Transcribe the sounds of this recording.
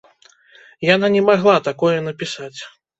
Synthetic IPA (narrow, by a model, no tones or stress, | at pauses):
jananʲɛmaɣlˠat̪akɔjɛn̪ɐpʲisat͡sʲ